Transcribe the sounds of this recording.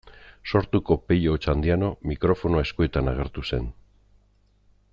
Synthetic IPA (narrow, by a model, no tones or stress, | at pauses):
so̞ɾt̪uko̞peʎot͡ʃand̪iano̞mikɾo̞fo̞noae̞skue̞t̪anaɣ̞e̞ɾt̪use̞̰n